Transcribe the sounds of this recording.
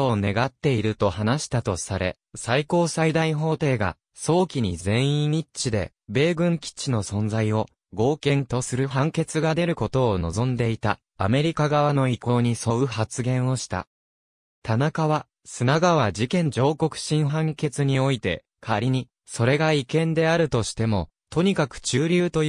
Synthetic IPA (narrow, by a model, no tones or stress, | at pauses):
oone̞ɡat̪ːe̞iɾɯ̟t̪o̞hanaɕi̥t̪at̪o̞saɾe̞̰ | saiko̞ːsaid̪aiɦo̞ːt̪e̞ːɡa̰ | so̞ːkʲiɲ̟izẽ̞ɰ̃ĩɲit͡ɕid̪e̞̰ | be̞ːɡɯ̟̃ŋkʲi̥t͡ɕino̞sõ̞nd͡zaio̞ | ɡo̞ːkẽ̞nt̪o̞sɨɾɯ̟ɦãŋke̞t͡sɨɡad̪e̞ɾɯ̟ko̞t̪o̞ːno̞̰zõ̞nd̪e̞it̪aː | me̞ɾʲikaɡaβano̞iko̞ːɲ̟iso̞ɯ̟hat͡sɨɡẽ̞ɰ̃o̞ɕi̥t̪a̰ | t̪anakaβa | sɨnaɡaβ̞ad͡ʑikẽ̞ɲ̟d͡ʑo̞ːko̞kɯ̟̥ɕĩɰ̃ɦãŋke̞t͡sɨɲ̟io̞it̪e̞̰ | kʰaɾʲiɲ̟i | so̞ɾe̞ɡaikẽ̞nd̪e̞aɾɯ̟t̪o̞ɕi̥t̪e̞mo̞ | t̪o̞ɲ̟ikakɯ̟̥t͡ɕɨːɾʲɨːt̪o̞